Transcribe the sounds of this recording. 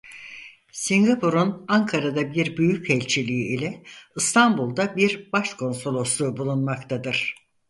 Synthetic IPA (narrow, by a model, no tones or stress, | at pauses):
siŋɡapʰuɾunaŋkʰaɾad̪abiɾbyjycʰɛlʲt͡ʃʰilʲijiilʲɛɯst̪ʰanbulˠd̪abiɾbaʃkʰo̞nso̞lˠo̞slˠuːbulˠunmakt̪ʰad̪ɯɾ̝̥